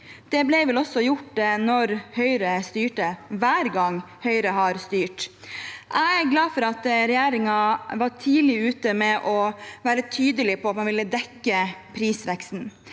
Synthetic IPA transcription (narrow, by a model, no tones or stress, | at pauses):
d̪̥ɛblɛɪʋɛlɔsːɔjʊʈːnɔɾhœʏɾəst̪yːʈəʋæːɾɡɑŋ | hœʏɾəɦɑɾst̪yːʈ | ʔæɪæɾɡlɑːfɔɾɑt̪ɾɛjæːɾɪŋɑʋɑʈʰiːlɪʉːt̪əmɛʔɔʋæːɾət̪ʰyːd̪əlɪpʰɔɑt̪mɑnʋɪlːəd̪ɛkːəpʰɾiːsʋɛkst̪n̩